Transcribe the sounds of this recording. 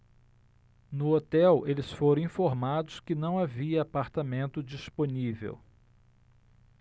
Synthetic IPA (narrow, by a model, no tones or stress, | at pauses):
nʊot̪ɛwelɪsfoɾɐ̃ĩfoɾmad̪ʊskɪnɐ̃w̃aviɐːpaɾt̪amẽnt̪ʊd͡ʒisponivḛw